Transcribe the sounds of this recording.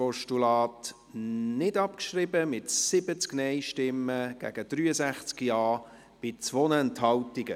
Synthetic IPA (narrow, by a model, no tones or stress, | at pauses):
ɔʃtulɑːt | nɪdɑpkʃrɪbəmɪtsɪbət͡sknɛɪʃtɪmːəɡ̥æ̰ɡ̥əd̪̥ryːəsæχt͡skijɑː | b̥ɪt͡sʋɔnəənthɑwtɪɡə